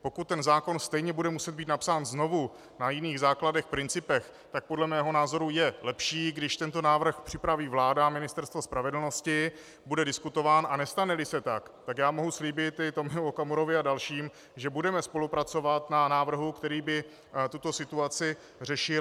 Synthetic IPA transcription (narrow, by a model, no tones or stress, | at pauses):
po̞kut̪̚ːɛnzaːko̞nst̪ɛjɲɛbudɛmusɛd̪̚biːt̪napsaːnzno̞vu | najɪniːɣzaːkladɛxpɾɪnt͡sɪpɛx | t̪ak̚podlɛmɛːɦo̞naːzo̞ɾujɛlɛpʃiːɡdɪʃt̪ɛnt̪o̞naːvr̩xpr̥ɪpɾaviːvlaːdamɪnɪst̪ɛɾst̪vospɾavɛdl̩no̞scɪ | budɛdɪskut̪o̞vaːnʔanɛst̪anɛlɪsɛt̪akt̪akjaːmo̞ɦusliːbɪt̪ɪt̪omɪuokamuɾo̞vɪadalʃiːm | ʒɛbudɛmɛspo̞lupɾat͡so̞vat̪nanaːvr̩ɦukt̪ɛɾiːbɪ | t̪ut̪o̞sɪt̪uat͡sɪ | rɛʃɪ